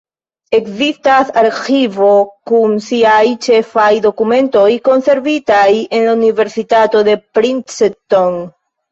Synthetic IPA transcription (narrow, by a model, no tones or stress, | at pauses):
e̞kzistasaɾxivo̞kunsiajt͡ʃe̞fajd̪o̞kumẽ̞nto̞jko̞nse̞ɾvitaje̞nlaunive̞ɾsitato̞de̞pɾinseton